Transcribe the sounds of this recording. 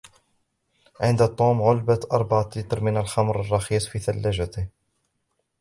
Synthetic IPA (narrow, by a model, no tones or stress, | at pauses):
ʕɪnd̪at̪ˤːuːmʕʊlbat̪ʔɑɾˤbaʕat̪lit̪ɾmɪnalxɑmɾˤɑrˤːɑxiːsˤfiːθalːaʒat̪ɪh